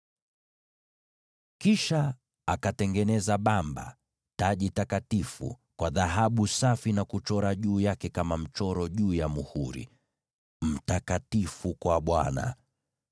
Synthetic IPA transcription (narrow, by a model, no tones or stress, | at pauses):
kiʃa | akatɛŋɡɛnɛzaɓamba̰ | taʄitakatifṵ | kwaðaɦaɓusafinakut͡ʃɔɾaʄuːjakɛkamam̩t͡ʃɔɾɔʄuːjamuhuɾḭ | m̩takatifukwaɓwana̰